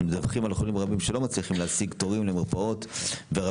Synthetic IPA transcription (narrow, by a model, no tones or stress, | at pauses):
medavχimalχolimʁabimʃelo̞mat͡sliχimleasiɡto̞ʁimlemiʁpao̞tveʁa